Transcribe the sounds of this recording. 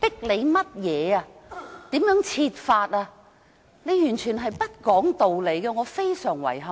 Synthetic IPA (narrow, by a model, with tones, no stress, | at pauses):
p̪ɪ˥k̚le˨˧jmɐ˥t̚jɛː˨˧aː˧t̪iː˨˥mjœː˨˥ŋt͡sʰiː˧t̚faː˧t̚aː˧ | ne˨˧jyː˨˩nt͡ʃʰyː˨˩nɦɐ˨jpɐ˥t̚kɔː˨˥ŋt̪o˨wle˨˧jkɛ˧ŋɔː˨˧fe˥jsœː˨˩ŋwɐ̰˨˩jɦɐ˨